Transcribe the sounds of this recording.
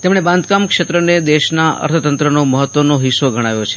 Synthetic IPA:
t̪emɽ̃ebãnd̪kamkʃet̪ɾəned̪eʃnaə̰ɾt̪ʰət̪ənt̪ɾənoməɦət̪ʋənoɦisoɡʱəɽ̃aʋjot͡ʃʰe̥

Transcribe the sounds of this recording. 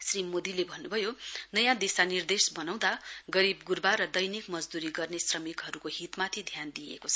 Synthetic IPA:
srimod̪ilebʱʌnːubʱʌjonʌjãd̪esanird̪esbʌnaw̃d̪aɡʌɾibɡurbaɾʌd̪ʌjnikmʌd͡zd̪uɾiɡʌrnesrʌmikɦʌɾukoɦit̪mat̪ʰid̪ʱjand̪ijḛkot͡sʰʌ

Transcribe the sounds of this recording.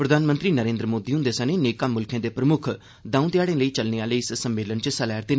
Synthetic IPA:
pɾəd̪ʱaːnmə̃nt̪ɾiːnəɾẽːnd̪ɾəmoːd̪iːɦʊ̃nd̪eːsə̃neneːkaːmʊlkʰẽːd̪eːpɾəmʊkʰ | d̪ãːũːt̪jaːɽẽːləiːt͡ʃəlneaːləiːssəmːeːlənt͡ʃsəlɛːɾd̪eː

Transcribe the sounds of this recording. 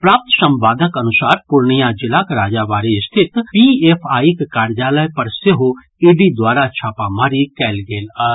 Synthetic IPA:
pɾaːp̚t̪ʃə̃mbaːd̪ʱəkɐnʊsaːɾpʊɾɳijad͡ʒɪlakɾaːd͡ʒaʋaːɾiɪst̪ʰɪt̪pieːpʰaːikkaːɾd͡ʒaːləjpɐɾseɦo | iːɖid̪waːɾat͡ʃʰaːpaːmaːɾikɛːlɡeːl

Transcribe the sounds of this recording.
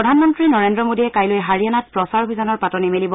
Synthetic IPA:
ɹɔdʱanmɔntɹinɔɹendɹɔmodiɛkajlojɦaɹijanat̚pɹɔsaɹbʱizanɔɹpatɔnimelibɔ

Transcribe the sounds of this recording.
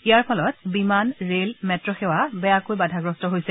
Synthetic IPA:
ijaɹpʰɔlɔtbimanɹelmɛtɹɔxɛwabɛjakojbadʱaɡɹɔstɔɦojsɛ

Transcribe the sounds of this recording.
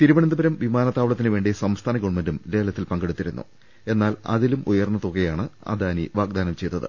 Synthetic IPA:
t̪iɾuʋɐɳɐnd̪ɐbɐɾɐmʋimaːnɐt̪ːaːʋɐɭɐt̪ːinɨʋe̞ːɳɖisɐmst̪ʰaːnɐɡoʋɳmendumle̞ːlɐt̪ːilpɐŋɡeɽut̪ːiɾunːṵ | e̞nːaːlɐ̰ðilumujɐrnːɐðokːɐjaːɳɨɐ̰d̪aːniʋaːɡ̚d̪aːnɐmt͡ɕe̞jt̪ːɐðɨ̰

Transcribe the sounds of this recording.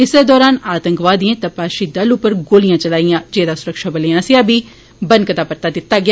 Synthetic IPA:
ɪseːd̪ɔːɾaːnaːt̪ə̃ŋkʋaːd̪iẽːt̪ãpaːʃiːd̪əlʊpəɾɡoːlɪjãːt͡ʃəlaːijãːd͡ʒeːd̪aːsʊɾəkʃaːbəleːãːsɪjaːbiː | bənkət̪aːpəɾt̪aːd̪ɪt̪ːaːɡɪaː

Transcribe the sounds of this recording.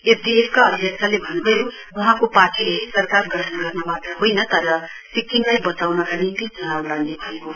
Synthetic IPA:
epʰd̪ieskaʌd̪ʱjʌk̚t͡ʃʰalebʱʌnbʌjo | wʌɦãkopaʈʰilesʌɾkaɾɡʌʈʰnɡʌɾnabat̪ɾʌɦojnʌt̪ʌɾʌ | sikːiŋlajbʌt͡sawnʌkanint̪it͡sʌnawlaɡnebʱʌeko

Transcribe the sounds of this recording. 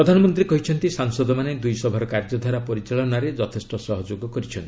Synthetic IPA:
iɾɔd̪ʱanɔmɔnt̪ɾikɔɦit͡ʃʰɔnt̪isaŋsɔd̪ɔmaned̪ujsɔbʱɔɾɔkaɾd͡ʒɔd̪ʱaɾapɔɾit͡ʃaɭɔnaɾed͡ʒɔt̪ʰesʈɔsɔɦɔd͡ʒoɡɔkɔɾit͡ʃʰɔnt̪i

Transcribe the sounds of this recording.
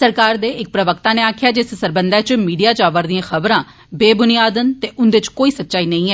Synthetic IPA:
səɾkaːɾd̪eːɪk̚pɾəʋəkt̪aːnẽːaːkʰɪjaːd͡ʒɪssəɾbənd̪aːt͡ʃmiːɖijaːt͡ʃaːʋəːɾd̪ijãːxʰəbɾãː | beːbʊnijaːd̪ənt̪eːʔʊnd̪ɪt͡ʃkoːiːsətːʃaːiːnə̃ĩːɛː

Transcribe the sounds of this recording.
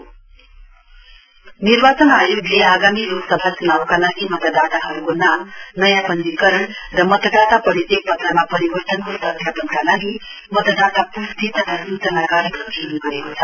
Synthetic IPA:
niɾbat͡sʌnajoɡleaɡamiɾoɡsʌbʱat͡sunawkalaɡimʌt̪əd̪at̪aɦʌɾukonamnʌjapʌnd̪ikʌɾʌɳrʌmʌt̪əd̪at̪apʌɾit̪ek̚pʌt̪ɾamapʌɾibʌrt̪ʌnkot̪ʌt̪ʰjapʌnkalaɡi | mʌt̪əd̪at̪apuɾt̪it̪ʌt̪autʌnakaɾjkʌt̪enuɡʌɾekot͡sʰʌ

